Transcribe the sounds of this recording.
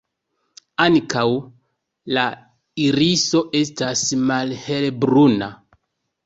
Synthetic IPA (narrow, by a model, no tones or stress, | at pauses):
ankaw | la | iɾiso̞ʔe̞s̬tasmalhelbɾuna